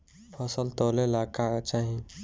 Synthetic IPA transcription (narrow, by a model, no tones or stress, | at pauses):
pʰɔsəlt̪oːlelaːkat͡ʃaɦĩ